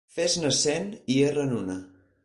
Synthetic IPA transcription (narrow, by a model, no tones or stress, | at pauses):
feznəsenierənunə